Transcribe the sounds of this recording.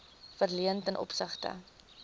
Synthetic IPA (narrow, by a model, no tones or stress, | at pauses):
fərliəntənʔɔ̰psəχtə̰